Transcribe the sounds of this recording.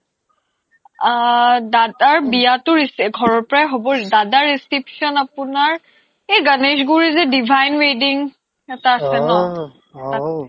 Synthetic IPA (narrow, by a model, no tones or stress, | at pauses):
dadaɹbijatʊɹisɡʱɔɹɔɹpɔɹajɦobɔdadaɹeskɹipsɔnapʊnaɹ | eɡanesɡuɹizɛdibʱajnwediŋ | ɛtaːsɛnɔ | a